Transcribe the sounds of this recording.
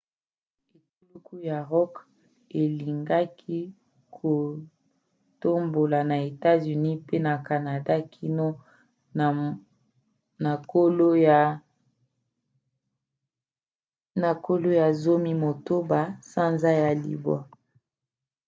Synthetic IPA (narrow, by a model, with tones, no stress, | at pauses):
e˨tu˦lu˦ku˦ja˨ʁɔ˦k | e˨li˨ŋɡa˦kʰi˦ | kʰo˨ | to˦mbo˨la˨na˨e˨ta˦zy˨ni˦pe˦na˨ka˨na˨da˦kʰi˦no˦˨ | na˨ko˦lo˦j | na˨ko˦lo˦ja˨zo˦mi˦mo˨to˦ba˨sa˦nza˦ja˨lḭ˨bɔ̰˦